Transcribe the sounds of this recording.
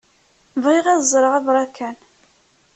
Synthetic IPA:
vʁiʁæzˤɾˤəʁævɾˤɑkæn

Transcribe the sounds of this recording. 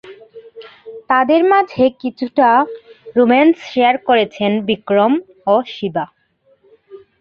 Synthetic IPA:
t̪ad̪eɾmad͡ʑʱekit͡ɕʰuʈaɾumensʃeaɾkoɾet͡ɕʰenbikɾom | oʃiba

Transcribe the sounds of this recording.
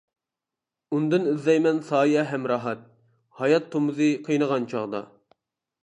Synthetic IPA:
und̪ɨnyzlɛjmɛnsɑːjɛɦɛmɾɑɦɑt̪̚ | hɑjɑt̪ʰːomɨzɨqʰijnəʁɑnt͡ʃʰɑʁd̪ɑ̰

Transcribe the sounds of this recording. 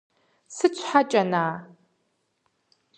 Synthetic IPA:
sɨt͡ɕʷʰħat͡ʃʼɐnaː

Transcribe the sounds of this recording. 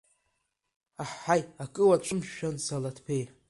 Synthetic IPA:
aħːajakʼɨwat͡ɕʷʰɨmʃᶣansalatʰpʰej

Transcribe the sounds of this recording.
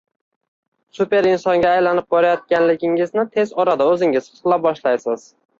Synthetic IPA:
supe̞ɾɪnsɒŋɡʲaːjlanɪp̚bɒɾajɒt̪̚kʲanlɪɡʲɪŋɪznɪt̪ʰe̞zɒɾad̪aɵzɪŋʲɪzʰɨ̥qlˠabɒʃlajsɪz̥

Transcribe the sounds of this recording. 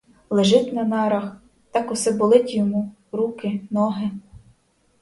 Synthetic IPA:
lˠeʒɪt̪ʲnɐnɑɾɐx | t̪ɑkʊsɛbʊlˠɪtʲjɔmu | ɾukɪnɔɦɪ

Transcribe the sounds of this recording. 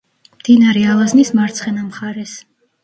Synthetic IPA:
md̪̥inaɾɛalˠaznismaɾt̪sʰχɛnamχaɾɛs

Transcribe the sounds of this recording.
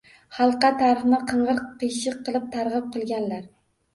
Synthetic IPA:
χɑlˠqɑt̪ʰaɾɪχnɪqʰɨɴʁɨɾqʰːɨjʃɪqʰːɨlˠɪp̚t̪ʰɑɾʁɨp̚qʰɨlˠɡʲanlaɾ

